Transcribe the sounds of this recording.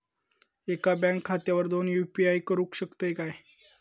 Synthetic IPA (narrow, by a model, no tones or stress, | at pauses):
ekabɛ̃ŋkʰːat̪jaʋəɾd̪onjupiajkəɾukɕəkt̪əekaj